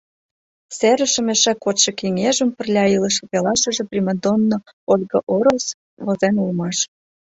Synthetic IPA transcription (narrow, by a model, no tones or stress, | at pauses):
seɾə̆ʃə̆meʃækot̪ʃĕkiŋeʒə̆mpə̆rlʲɑilə̆ʃopelɑʃə̆ʒĕprʲiməd̪onːo | olɣəʔoɾos | βozenulmɑʃ